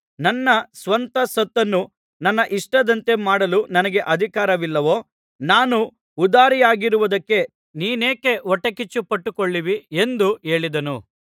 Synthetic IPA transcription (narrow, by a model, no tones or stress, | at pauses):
nɐnːɐsʋɐnt̪ɐsɐt̪ːɐnːu | nɐnːɐʔiʂʈɐd̪ɐnt̪e̞maːɽɐlunɐnɐɡe̞ʔɐd̪ʱikaːɾɐʋilːɐʋo̞ː | naːnuː | d̪aːɾijaːɡiɾuʋɐd̪ɐkːe̞ | niːne̞ːke̞ɔʈːɐkit͡ʃːupɐʈːukoɭːiʋiend̪ue̞ːɭid̪ɐnṵ